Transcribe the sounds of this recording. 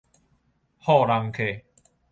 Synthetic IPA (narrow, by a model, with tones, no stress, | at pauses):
hɔ˥˧˨ɾa˧ŋkʰe˨